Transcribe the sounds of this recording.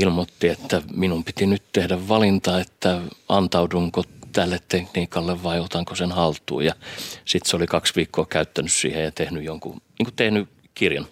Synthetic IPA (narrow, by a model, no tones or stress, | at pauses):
ilmot̪ːiet̪ːæminumpit̪inyt̪t̪ehdæʋʋɑlint̪ɑet̪ːæɑnt̪ɑuduŋkot̪ælːet̪t̪ekniːkɑlːeʋʋɑiot̪ɑŋkosenhɑlt̪ːˑṵːjɑsit̪seolikɑksʋiːkʰːoːkæyt̪ːænyssḭːhejɑt̪ehnyjoŋkṵniːŋku̥t̪ehny | kirjɑn